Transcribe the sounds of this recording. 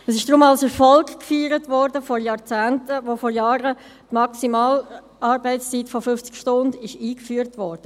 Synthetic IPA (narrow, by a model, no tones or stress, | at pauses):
əsɪʃd̥ʁʊmɑlsɛɾfɔlkkfyːɾətvɔɾdəfɔɾjɑɾt͡sæːntəʋofɔɾjɑːʁə | tmɑksimaːl | ɑɾbɛɪst͡siːtfofʏft͡skʃtʊndɪʃiːkfyːəɾtʋɔɾd̥ə